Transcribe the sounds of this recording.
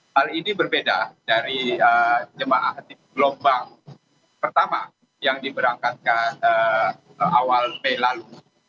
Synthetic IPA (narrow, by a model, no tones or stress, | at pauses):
halinibərbedadaɾiəd͡ʒəmaʔaɦt̪iɡlɔmbaŋ | pərt̪ama | jaŋdibəɾaŋkat̪̚kanə | awalmelalu